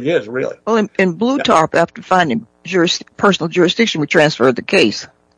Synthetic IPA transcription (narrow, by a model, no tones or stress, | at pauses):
ɪzɹɪ̰lˠḭwɛlˠɨ̃nɨ̃nblutʰɑɹpæftə˞fãɪ̃ndɪ̃ŋ | d͡ʒʊɹɨspʰɜ˞sn̩l̩ˠd͡ʒʊɹɨsd̥ɪkʃɨ̃nwitʰɹ̥æ̃nsfɜ˞d̪̚ðɨkʰeɪs